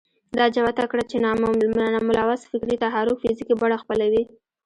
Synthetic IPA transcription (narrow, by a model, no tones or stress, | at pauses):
d̪ɑd͡ʒawat̪akɽat͡ʃennmʊlɑwasfɪkɾit̪aɦɑɾʊkfɪzikibaɽaxpəlawi